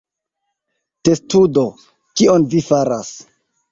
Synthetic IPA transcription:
te̞studo̞ | kionvifaɾas

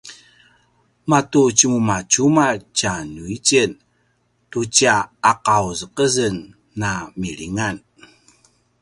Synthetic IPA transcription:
matut͡ɕəmumat͡ɕumat͡ɕanuit͡ɕən | tut͡ɕaaqawzəqəzənː | amiɭiŋan

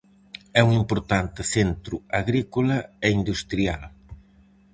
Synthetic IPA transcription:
ɛuŋimpoɾt̪ant̪ɪθent̪ɾʊaɣɾikulɐeind̪ust̪ɾial

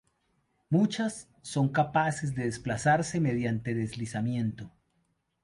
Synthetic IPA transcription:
mut͡ʃasː | o̞ŋkapasezd̪eðesplasaɾse̞me̞ðjant̪e̞ðezlisamje̞nt̪o

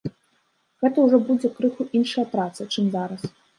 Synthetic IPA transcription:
ɣɛt̪ɐwʐɔbud͡zʲɛkɾɨxuʔinʂɐjɐpɾat̪sɐt͡ʂɨmzaɾɐs

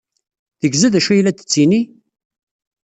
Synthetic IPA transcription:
θəɡzæðæʃæjlæt̪ə̥t͡sːini

